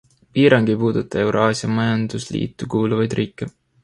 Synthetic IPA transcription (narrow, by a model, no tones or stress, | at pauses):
piːɾɑŋɡ̥ipuːd̪̥ut̪ːˑɑe̞wɾoɑːsjɑmɑjɑnd̪̥uslḭːt̪ːˑukuːluvɑjd̪riːkːˑe